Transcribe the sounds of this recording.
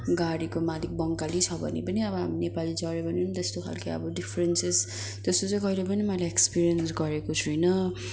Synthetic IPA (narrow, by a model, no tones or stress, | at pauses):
ɡaɽikomalik̚bʌŋkalit͡sʰʌbʱʌ̰nḛpʌniʌbʌɦaminepalid͡zʌɾebʌnint̪est̪okʰa̰lkʌjʌ̰bʌɖipʰrenses | t̪est̪ot͡sʌ̃ĩkʌjlep̬ʌnimʌlaekspiɾijʌnsɡʌɾekot͡sʰujnʌ